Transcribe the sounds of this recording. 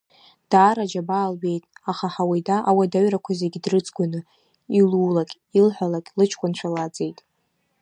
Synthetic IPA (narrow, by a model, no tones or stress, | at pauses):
d̥aːɾad͡ʒabaːlɥe̞jtʼaχaħawidaʔawadaɥrakʷʰazeɡʲidrɨt͡sʼɡʷanɨ | iluːlakʲʼ | ilħʷalakʲʼlɨt͡ʃʰkʷʼant͡ʃʷʰalad͡zʼe̞jtʼ